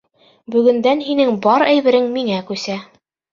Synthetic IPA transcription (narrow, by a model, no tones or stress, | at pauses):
bɵ̆ɡɘ̆nd̪ænɦinɘŋbɒɾæjβɘ̆ɾɘŋmiŋækʉsæ